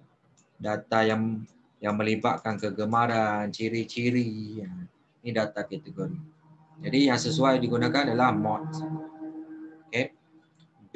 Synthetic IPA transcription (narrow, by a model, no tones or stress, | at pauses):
dat̪ajaŋ | jaŋmə̃libaʔ̚kankəɡəmaɾant͡ʃiɾit͡ʃiɾiə | nidat̪akɛt̪əɡoɾi | d͡ʒadijaŋsəsuajdiɡunakanadalahmɔt̪̚ | oke